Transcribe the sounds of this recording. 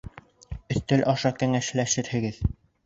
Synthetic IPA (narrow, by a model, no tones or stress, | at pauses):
ɵ̆θt̪ɘlʔɑʃɑkæŋæʃlæʃɘɾhɘ̆ɡɘð